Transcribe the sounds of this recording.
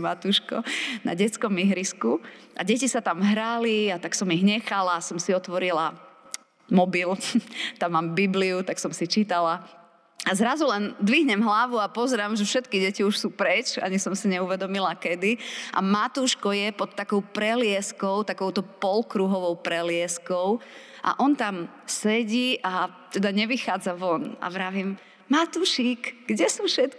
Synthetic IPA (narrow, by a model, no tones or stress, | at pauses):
mat̪uːʃkɔ̰na̰ɟɛt͡skɔmiɦɾiskuʔa̰ɟɛcisat̪amɦɾaliat̪aksɔmiɣɲɛxalasɔmsiɔt̪ʋɔɾila | mɔbilt̪amːaːmbibliut̪aksɔmsit͡ʃit̪ala | azɾazulɛnd̪ʋiɦɲɛmɦlaʋuapɔzɛɾaːmʒɛfʃɛt̪kiɟɛciuʃsuːpɾɛt͡ʃa̰ɲisɔmsiɲɛuʋɛd̪ɔmilakɛd̪iʔa̰mat̪uːʃkɔjɛpɔt̪ːakɔʊpɾɛlɪɛskɔʊt̪akɔʊt̪ɔpɔlkɾuɦɔʋɔʊpɾɛlɪɛskɔʊ | ʔa̰ʔɔnt̪am | sɛɟiːʔa | t̪ɛd̪aɲɛʋixaːd͡zaʋɔna̰ʋɾaːʋim | mat̪uːʃikɡɟɛsuʃɛt̪k